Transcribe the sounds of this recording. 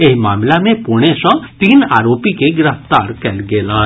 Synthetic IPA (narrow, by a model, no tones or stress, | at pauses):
eɦmaːmlamẽpuɽ̃esɔ̃t̪iːnaːɾoːpikeɡɾəft̪aːɾkɛlɡeːlaː